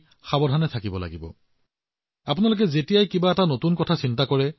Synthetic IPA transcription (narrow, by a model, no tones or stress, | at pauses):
xabɔdʱanɛtʰakibɔla̰ɡibɔ̰ | apʊnalok̬ɛzetijajkibaɛtanotunkɔtʰasintakɔɹɛ